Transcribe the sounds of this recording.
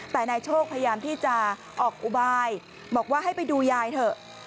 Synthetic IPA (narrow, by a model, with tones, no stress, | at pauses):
t̪ɛː˨˩naː˧jt͡ɕʰoː˥˩k̚pʰa˧ja˧jaː˧mt̪ʰiː˥˩t͡ɕa˨˩ʔ | ʔɔː˨˩k̚ʔu˨˩baː˧j | bɔː˨˩k̚waː˥˩ɦa˥˩jpa˧jduː˧jaː˧jt̪ʰɤ˧˩